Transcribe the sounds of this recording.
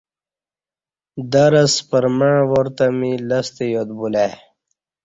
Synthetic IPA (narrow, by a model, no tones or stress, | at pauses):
d̪ɐɾɐspəɾmãːwoɾt̪amilɐst̪ejot̪bule